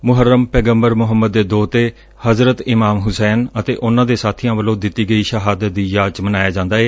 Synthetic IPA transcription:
mʊɦəɾːəmpɛːɡəmbəɾmʊɦəmːəd̪ːeːd̪oːt̪eː | həzɾət̪ɪmaːmɦʊsɛːnət̪eːʔʊnãːd̪eːsaːt̪ʰɪjãːʋəlõːd̪ɪt̪ːiːɡəiːʃəɦaːd̪əd̪iːjaːt͡ʃmənaːjaːd͡ʒãːnd̪aːeː

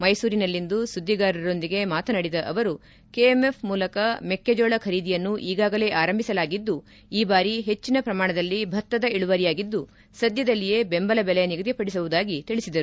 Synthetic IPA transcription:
mɐjsuːɾinɐlːind̪usud̪ʱːiɡaːɾɐɾo̞nd̪iɡe̞maːt̪ʰɐnɐɽid̪ɐʔɐʋɐɾu | keeme̞fmuːlɐkɐmekːed͡ʒɔːɭɐkʰɐɾiːd̪ijɐnːuʔiːɡaːɡɐle̞ːʔaːɾɐmbʱisɐlaːɡid̪ːu | iːbaːɾiɦe̞t͡ʃːinɐpɾɐmaːɳɐd̪ɐlːibʱɐt̪ːɐd̪ɐiɭuʋɐɾijaːɡid̪ːu | sɐd̪jɐd̪ɐlːije̞ːbe̞mbɐlɐbɛlɛjɐniɡɐd̪jipɐɽisɐʋud̪aːɡit̪iɭisid̪ɐɾu

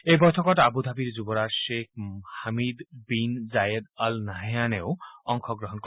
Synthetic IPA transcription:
ebɔjt̪ʰɔkɔʈaabud̪ʱabiɾd͡ʒubɔɾasʃekʰhamid̪binzajed̪alnaɦejaneoʊɔŋkʰɔɡɾɔɦɔnk

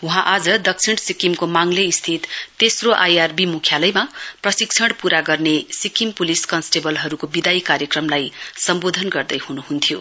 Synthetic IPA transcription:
ũɦãʔad͡zʌd̪ʌk̚t͡sʰiɽ̃sikimkomaŋleist̪ʰit̪ːesroʔajarbimukʰjalʌjmaprʌsik̚t͡sʰʌɽpuɾaɡʌrnesikimpuliskʌnsʈebʌlɦʌɾukobid̪aikaɾjʌkrʌmlajsʌmbod̪ʱʌnɡʌrd̪ʌjhunuɦunt̪ʰjo

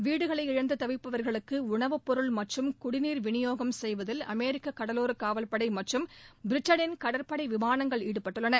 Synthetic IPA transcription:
ʋiːɽɯɣɐɭɐɪɪɻɐnd̪ɯt̪ɐʋɪpːɐʋɐɾɣɐɭɯkːɯʊɳɐʋɯpːɔɾɯɭmɐʈrɯmkʊɽɪniːɾʋɪnɪjoːɣɐmsɛjʋɐðɪlɐ̰meːɾɪkːɐkːɐɽɐloːɾɯkaːʋɐlpɐɽɐɪmɐʈrɯmbɪɾɪʈːɐnɪnkɐɽɐɾpɐɽɐɪʋɪmaːnɐŋɡɐɭiːɽɯpːɐʈːɯɭːɐnɐ

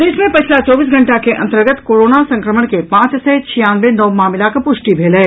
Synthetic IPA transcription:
d̪eːsmẽpɐt͡ʃʰlat͡ʃɔːbiːs̬ɡʱɐ̃ɳʈakeʔɐ̰̃nt̪əɾɡət̪koːɾoːnasɐ̃ŋkɾəməɽ̃kepãːt͡ʃset͡ʃʰijãːnd̪ɾenɔːmaːmɪlakpʊʃʈibʱeːleː

